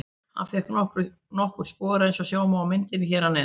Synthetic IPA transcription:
ha̰nfɛhknɔhkɾʏ | nɔhkʏɾ̥spɔːðɾɛjnsɔsjaːwmawamɪnt̪ɪnɪçɛːɾanːɛ

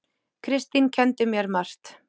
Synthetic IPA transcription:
kʰɾɪst̪incʰɛnt̪ʏmjɛɾmar̥t̪

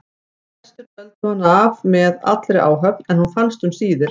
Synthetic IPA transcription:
ɛst̪ʏɾpœlt̪ʏhanːavmɛða̰t̪lɾɛʔa̰ːwɦœknɛnhunfanst̪ʏmsiːðɪɾ̥

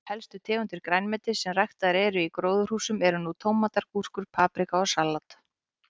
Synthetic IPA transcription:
hɛlst̪ʏt̪ʰɛːɣʏnt̪ɪɾ̥kɾajnmɛt̪ɪ̥sɛmrajxt̪aðɾɛːɾʏikɾoːwðʏr̥huːsʏmɛɾʏnut̪ʰoːwmat̪aɾku̥skʏɾ̥pʰaːpɾikaɔsalːat̪

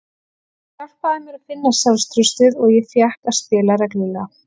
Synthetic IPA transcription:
kal̥paðamjɛɾafɪnːasalst̪ɾʏst̪ɪðɔɣjɛθjahkast̪ɪːlaɾɛklɪla

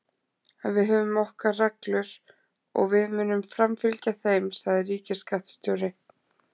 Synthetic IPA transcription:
ɛnvɪðɦœːvʏmɔhkaraklʏɾ | ɔ̰ɣvɪðmɪːnʏmfɾamfɪlcaθejmsaðɪriːcɪskaht̪st̪œwɾɪ

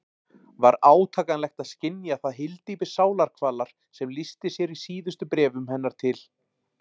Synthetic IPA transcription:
vaɾaːwt̪ʰaːkanlɛxt̪aðscɪnjaθaðɦɪlt̪ipɪ̥saːwlaɾ̥kʰvaːlaɾ̥ | sɛmlist̪ɪsjɛɾisiːðʏst̪ʏpɾɛːvʏmhɛnːaɾ̥t̪ʰɪl

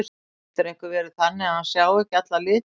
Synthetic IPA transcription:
t̪ɪɾejhŋkʏɾvɛːɾɪ̥θanːɪahansjaːwɛhcɪat̪lalɪːt̪

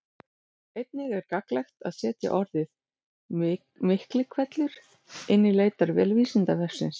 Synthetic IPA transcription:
ejt̪nɪɣɛɾkaklɛxt̪aðsɛːt̪ja̰ʔɔɾðɪθ | mɪhklɪkʰvɛt̪lʏɾ̥ | ɪnːɪleːjt̪aɾvɛːlviːsɪnt̪avɛr̥sɪns

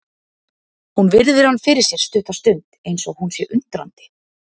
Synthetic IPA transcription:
hunvɪɾðɪɾ̥hanːfɪɾɪɾ̥sjɛɾ̥st̪ʏːht̪ast̪ʏnt̪ejnsɔɣhunsjɛʔʏnt̪ɾa̰nt̪ɪ̥

